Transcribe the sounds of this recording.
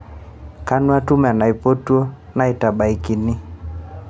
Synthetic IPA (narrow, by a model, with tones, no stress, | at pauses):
ka˦nwa˦tu˦m˨a˨na˨i˨po˦tu˦o˦ | na˨i˨ta˨ɓa˨i˨ki˨nɪ˦